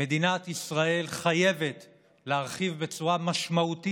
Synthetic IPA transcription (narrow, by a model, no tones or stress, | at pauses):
e̞d̪inat̪isʁae̞lχaje̞ve̞t̪ | leaʁχivbe̞t͡suʁamaʃmaut̪i